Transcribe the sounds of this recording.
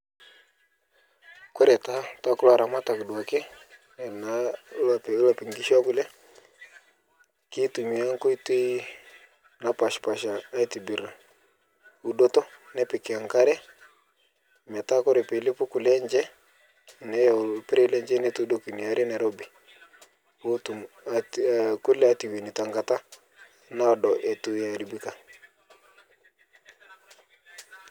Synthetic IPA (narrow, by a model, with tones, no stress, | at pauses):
kwɛ˦ɾɛ˨ta˦ta˦ku˦la˨ɾa˨ma˦ta˨ki˨dwa˨kɛ˦ | ɛ˨na˨˦la˨pɛ˨˦la˨pi˨ŋɡi˦ʃa˦ku˦lɛ˦ | ki˦tu˨mi˨˦a˦ŋ˦ko˦i˦ti˦ | na˦pa˨ʃpa˨ʃaː˨˦i˦ti˨bi˨ɾa˨ | u˦ɗɔ˦tɔ˦nɛ˦pɪ˨kɛ˨a˨ŋka˦ɾɛ˦ | mɛ˨ta˦kɔ˦ɾɛ˨pe˨lɪ˦pʊ˦kʊ˨lɛ˦ɲd͡ʒɛ˦ | nɛ˦pɪ˦ɾɛ˦lɛ˦ɲd͡ʒɛ˦ne˦to˦do˦ki˨ni˨a˨ɾe˦nɛ˨ɾɔ˦bi˨ | o˦tu˨m | kʊ˦lɛ˦a˨˦ti˨we˨ni˨ta˨ŋɡa˨ta˦ | na˦˨dɔ˨ʔɛ˨tu˦ja˨ɾi˨bi˦ka˨